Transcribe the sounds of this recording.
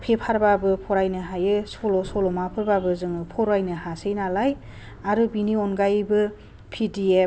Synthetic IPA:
pʰepʰaɾbabɯpʰɔɾajnɯɦajɯsɔlɔsɔlɔmapʰɯɾbabɯzɯŋɯpʰɔɾajnɯhasejnalaj | aɾɯbiniɔnɡajbɯ | pʰidie

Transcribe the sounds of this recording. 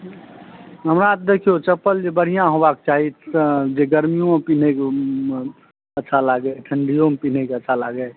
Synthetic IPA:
ɦəmɾat̪̚d̪ekʰijot͡ʃəpːəld͡ʒebəɽ̤ijãɦobak̚t͡ʃaːɦid͡ʒeɡəɾmijõpinek | ətːʃʰalaɡəʈʰəɳɖijõmpiːnekeətːʃʰaləɡe

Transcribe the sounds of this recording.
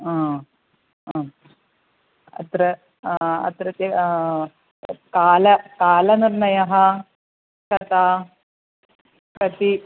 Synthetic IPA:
aː | ɐ̰t̪ɾɐ | ɐ̰t̪ɾɐt̪ɐ | kaːlɐkaːlɐniɾnɐjɐɦɐ | kɐt̪aː | kɐt̪i

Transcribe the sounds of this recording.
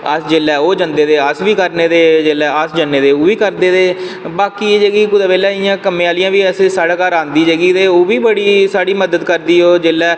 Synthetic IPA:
əsd͡ʒeːlɛːoːd͡ʒənd̪eːd̪eːəsʋiːkəɾneːd̪eːd͡ʒeːlɛːəsd͡ʒənːeːd̪eːoːʋiːkəɾd̪eːd̪eː | baːkiːeːd͡ʒəɡiːkʊd̪aːbeːlɛːɪjãːkəmeːaːlɪjãːʋiːɛsesaːɽaːkaːɾãːnd̪iːd͡ʒəɡiːt̪eːoːʋiːbəɽiːsaːɽiːməd̪əd̪kəɾd̪iːɦoːd͡ʒeːlɛː

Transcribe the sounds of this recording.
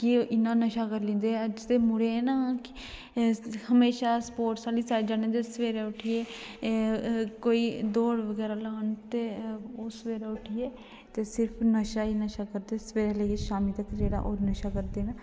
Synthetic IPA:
kioːʔɪnːãːnəʃaːkəɾlɪ̃ːnd̪eːəd͡ʒt̪eːmʊɽeɛːnaːk | həmeːʃaːspoːʈsaːliːsaːd͡ʒaːnẽːd̪eːsʋeːɾeːʊʈʰijeː | koːiːd̪oːɽʋəɡɛːɾaːləənt̪eoːsəʋeːɾaːʊʈʰijeː | t̪eːsɪɾpʰnəʃaːiːnəʃaːkəɾd̪eːsəʋeːɾeːleɡeʃaːmiːt̪akɾeːɽa̰ːʔoːnəʃaːkəɾd̪eːna

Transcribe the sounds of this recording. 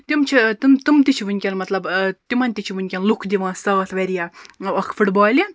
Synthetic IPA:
t̪imt͡ʃʰit̪imt̪imt̪it͡ʃʰiʋɨnʲkʲɐnmɐt̪lɐbt̪imɐnʲt̪it͡ʃʰiʋunʲkʲɐnlukʰd̪iʋãːsɐɣɐt̪ʰʋɐɾʲijaɐkʰfuʈbɔːlʲɐ

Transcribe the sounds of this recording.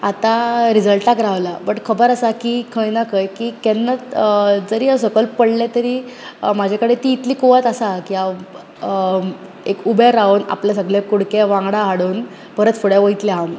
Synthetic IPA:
at̪aɾid͡zəlʈakɾaʋlabəʈkʰəbəɾasakikʰəjnakʰəjkiːkɛnːatd͡zəɾiːəsəkəlpəɽlet̪əɾiːmad͡ʑʱjakəɽet̪iːt̪liːkoʋat̪asakia | ekubʱjaɾauna̰pljas̬əɡɭjekuɽkeʋãŋɡɽaɦaɽuːn | pəɾət̪foɽjaʋojt̪leɦam

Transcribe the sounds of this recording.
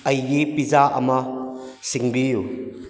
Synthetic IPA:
ɐjipizaːʔɐ̰ma | siŋbiju

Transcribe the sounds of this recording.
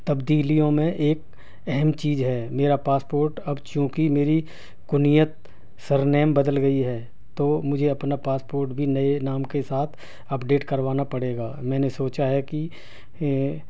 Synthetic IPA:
t̪ɐbd̪iːlijõmẽʔeːk | ɛɦɛmt͡ʃiːzɦɛːmeːɾapaːspoːɾʈɐbt͡ʃjõːkimeːɾi | kʊnijət̪̚ | sɐɾnɛːmbɐd̪əlɡɐiɦɛː | t̪oːmʊd͡ʒʱeɐpnapaːspoːɾʈbʱinɐenaːmkesaːt̪ʰ | ɐpɖeːʈkɐɾʋaːnapɐɽeːɡaːmɛ̃ːnesoːt͡ʃaɦɛki

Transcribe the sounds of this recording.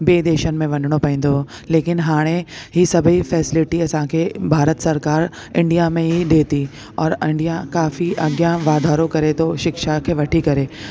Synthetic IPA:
beːd̪eːʃənmẽʋɐ̃nɖɽ̃opɛ̃ĩːnd̪o | leːkɪnɦaːɽ̃eɦisɐbʱifɛːsɪlɪʈiɐsãːkʰebʱaːɾət̪sɐɾkaːɾ | ɪ̃ɳɖijamẽɦid̪eːt̪i | ɔːɾɪ̃ɳɖijakaːfiʔɐɡjãʋaːd̪ʱaːɾõkɐɾet̪oʃɪkʃakʰeʋɐʈʰikɐɾeː

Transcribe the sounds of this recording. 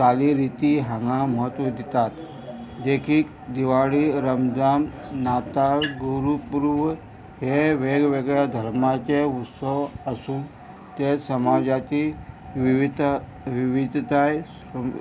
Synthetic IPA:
saliɾit̪iɦãŋɡaməɦət̪ʋəd̪it̪at̪ | d̪ekʰiːk | d̪iʋaɭiɾəmd͡zam | nat̪aɡuɾupuɾʋ | heʋeɡʋeɡɭjad̪ʱəɾmat͡ɕeut̪səʋəsũː | t̪esəmad͡ʑat̪iʋiʋid̪ʱ | ʋiʋid̪ʱt̪aj

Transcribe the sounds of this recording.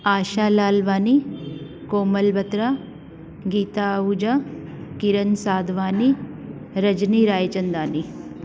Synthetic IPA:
aːʃaːlaːlʋaːni | koːmɐlbɐt̪ɾa | ɡiːt̪aud͡ʒakiɾɐnsaːd̪ʋaːni | ɾɐd͡ʒniɾaːjt͡ʃɐnd̪aːni

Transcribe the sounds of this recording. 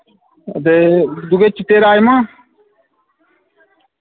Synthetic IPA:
d̪ed̪uɡet͡ʃit̪eːɾaːjmãː

